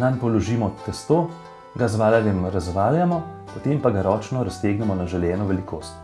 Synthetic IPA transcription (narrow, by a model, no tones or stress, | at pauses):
nanpɔlɔʒiːmɔt̪ɛst̪oː | ɡazʋaːlanjɛmɾazʋaːljamɔ | pɔt̪eːmpaɡaɾɔːt͡ʃnɔɾast̪eːɡnɛmɔnaʒɛljɛːnɔʋɛlikoːst̪